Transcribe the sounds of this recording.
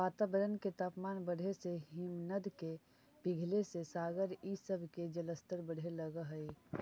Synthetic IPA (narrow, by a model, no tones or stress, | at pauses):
ʋaːt̪aːbəɾənket̪aːpmaːnbəɽ̤ʱeseɦɪmnəd̪ke | bɪɡʱlesesaːɡəɾisəbʱked͡ʒələst̪əɾbəɽ̤eləɡəɦəi